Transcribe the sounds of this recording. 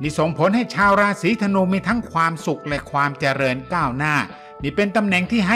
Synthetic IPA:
niː˧˩so˨˩ŋpʰo˨˦˥nɦa˥˩jt͡ɕʰaː˧wɾaː˧siː˨˦t̪ʰa˧nuː˧miː˧t̪ʰa˦˥ŋkʰwaː˧msu˨˩k̚lɛ˦˧˩kʰwaː˧mt͡ɕa˧ɾɤː˧nkaː˥˩wnaː˥˩ | niː˧˥˩pe˧nt̪a˧mnɛ˨˩ŋt̪ʰiː˥˩ɦa˥˩

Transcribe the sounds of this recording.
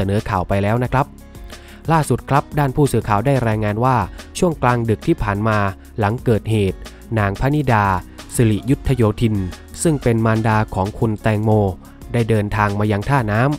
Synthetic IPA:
a˧nɤː˩˦kʰaː˨˩wpa˧jlɛː˦˥wna˦˥kʰɾa˦˥p̚ | laː˥˩su˨˩t̪̚kʰɾa˦˥p̚daː˥˩npʰuː˥˩sɯː˨˦kʰaː˨˩wdaː˥˩jɾaː˧jŋaː˧nwaː˥˩t͡ɕʰu˥˩əŋklaː˧ŋdɯ˨˩k̚t̪ʰiː˥˩pʰaː˨˩nmaː˧ | la˩˦ŋkɤː˨˩t̪̚heː˨˩t̪̚ | naː˧ŋpʰa˦˥ni˦˥˩daː˧si˧li˨˩ju˦˥t̪ʰːa˧joː˧t̪ʰi˧n | sɯ˥˩ŋpe˧nmaː˧ndaː˧kʰɔː˩˦ŋkʰu˧nt̪ɛː˧ŋmoː˧ | daː˥˩jdɤː˧nt̪ʰaː˧ŋmaː˧jaː˧ŋt̪ʰaː˥˩naː˦˥m

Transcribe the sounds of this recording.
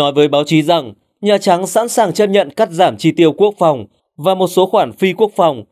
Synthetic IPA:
ɔ˨˦jvəː˨˦jɓaː˨˦wt͡ɕi˨˦za˨˩ŋ | ɲaː˨˩t͡ɕa˨˦ŋsa̰˧˥nsaː˨˩ŋt͡ɕə˦˥t̚ɲə̰˧˨nkaː˦˥k̚zaː˧˩mt͡ɕi˨˧t̪i˧əwku˦˥ək̚fa˨˩wŋ͡m | vaː˨˩mo˨˩t̚so˨˦xwaː˧˩nfi˧ku˦˥ək̚fa˨˩wŋ͡m

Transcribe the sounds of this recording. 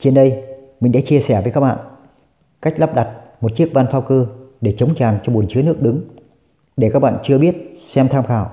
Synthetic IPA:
t͡ɕe˧nɗə˧jmï˨˩ŋ̟ɗa̰˧˥t͡ɕi˧əsɛ˧˩vəː˨˦jkaː˦˥ɓa̰ː˧˨n | ka˦˥jk̟̚lə˦˥p̚ɗa˨˩t̚mo˨˩t̚t͡ɕi˦˥ək̚vaː˧nfaː˧wkɨ˧ɗe˧˩t͡ɕə˨˦wŋ͡mt͡ɕaː˨˩nt͡ɕɔ˧ɓu˨˩ənt͡ɕɨ˨˦ənɨ˦˥ək̚ɗɨ˨˦ŋ | ɗe˧˩kaː˦˥k̚ɓa̰ː˧˨nt͡ɕɨ˧əɓi˦˥ət̚sɛ˧mt̪ʰaː˧mxaː˧˩w

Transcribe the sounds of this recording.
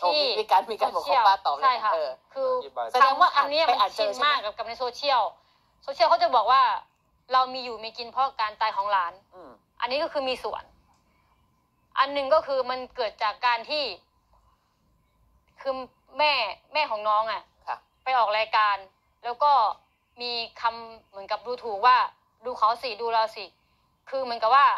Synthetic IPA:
t̪ʰːi˧kaː˧nmiː˧ka˧o˨˩ki˥˨waː˥˩t̪ɔː˨˩t͡ɕʰa˥˩jkʰa˦˥kʰɯː˧aɛ˨˧˦mwaː˥˩t̪ʰa˧mniː˦˥˨aa˨˩si˧˩t̪̚maː˥˩kːa˨˩p̚ka˨˩p̚na˧jsoː˧t̪ʰi˥˩əw | so˧t̪ʰi˥˩˨wkʰa˦˥wt͡ɕa˨˩bɔː˨˩k̚waː˥˩ | ɾa˧wmiː˧juː˨˩miː˧ki˧npʰɔ˦˥˨kaː˧nt̪aː˧˩jɦɔː˧˥˩ŋlaː˨˦˥n | ʔa̰˧nːiː˦˥kɔː˥˩kʰɯː˧miː˧su˨˩ən | ʔa˧nːɯ˨˩ŋkɔː˥˩kʰɯː˧ma˧nkɤː˨˩t̪̚t͡ɕaː˨˩kːaː˧nt̪ʰiː˥˩ | kʰɯ˧ | mɛː˥˩mɛː˥˩kʰɔː˩˦ŋnɔː˦˥ŋʔa˨˩ | pa˧jʔɔː˨˩k̚lɛː˧jkaː˧n | lɛː˦˥wkɔː˥˩ | miː˧kʰa˧mːɯ˩˦ənka˨˩p̚duː˧t̪ʰuː˨˩k̚waː˥˩ | duː˧kʰa˨˩˦wsi˨˩duː˧ɾa˧wsi˧˩ | kʰɯː˧mɯ˩˦nka˨˩waː˥˩

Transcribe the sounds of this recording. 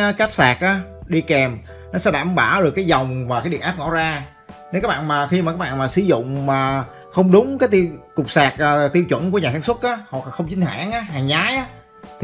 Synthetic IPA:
kaː˦˥p̚saː˨˩k̚ʔaː˨˦ɗi˧kɛ˨˩m | nɔ˨˦sɛ̰˧˥ɗaː˧˨mɓaː˧˩wɗɨ˨˩kːaː˨˦jzɔ˨˩wŋ͡mvaː˨˩kaː˨˦jɗḭ˧˨nʔaː˦˥p̚ŋɔ̰˧˥zaː˧ | ne˨˦wkaː˦˥ɓa̰ː˧˨nmaː˨˩xi˧ma˨˩kːaː˦˥ɓa̰ː˧˨nmaː˨˩sɨ˧˦zʊ̰˧˨ŋ͡mmaː˨˩ | xə˧wŋ͡mɗʊ˨˦ŋ͡mkaː˨˦jt̪i˧kʊ˨˩k͡p̚saː˨˩k̚ʔːt̪i˧əwt͡ɕwə̰˧˩˨nku˧˩əɲaː˨˩saː˧˦ŋswt̚ʔaː˨˦hwa˨˩k̚laː˨˩xə˧wŋ͡mt͡ɕï˧˦ŋ̟ha̰ː˧˩˨ŋʔaː˨˦ɦaː˨˩ŋɲaː˨˦jʔaː˨˦

